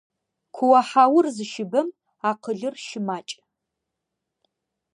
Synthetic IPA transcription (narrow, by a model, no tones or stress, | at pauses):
kʷʰʊwɐħaːwʊrzɨʃɪbɐm | aːqʰəɮɨrʃɪmaːt͡ʃʼ